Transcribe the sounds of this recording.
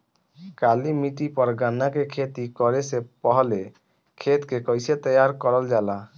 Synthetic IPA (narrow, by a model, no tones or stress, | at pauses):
kalimiʈipɔɾɡanakekʰet̪ikɔɾesepɔɦɔle | kʰet̪kekɔjset̪ɔjaɾkɔɾɔld͡ʒala